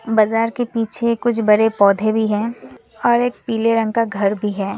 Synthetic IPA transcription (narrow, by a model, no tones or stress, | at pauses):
bɐzaːɾkepiːt͡ʃʰekʊt͡ʃʰbɐɾepɔːd̪ʱebʱiɦɛ̃ː | ɔːɾeːk̚piːleɾə̃ŋɡkaɡʱɐɾbʱiɦɛː